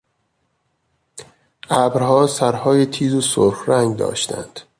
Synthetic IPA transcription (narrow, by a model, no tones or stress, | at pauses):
ʔæːbɾhɒːsæɾhɒːjet̪ʰiːzosoɾxɾæŋɡd̪ɒ̰ːʃt̪ʰæ̰nd̪̥